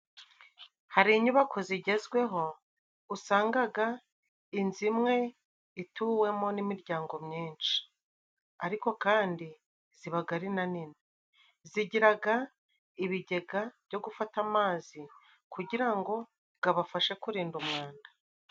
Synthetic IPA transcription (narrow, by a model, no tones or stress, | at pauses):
haɾiɲuβakʰo̞ziɟe̞zɡwe̞ɦo̞ | usaːŋɡaɡa | inzimŋe̞ | ituwe̞mo̞nimiɾɟaːŋɡo̞mɲiːnʃi̥ | aɾiko̞kaːndi | ziβaɡaɾinanine | ziɟiɾaɡa | iβiɟe̞ɡav̥ɟo̞ɡufatamaːzi | kuɟiɾaŋɡo̞ | bɡaβafaʃe̞kuɾiːndumŋaːnda